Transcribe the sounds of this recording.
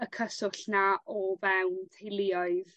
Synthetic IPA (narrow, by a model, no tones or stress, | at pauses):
əkʰəsʊɬnaʔɔvɛwntʰejlˠɪɔɨð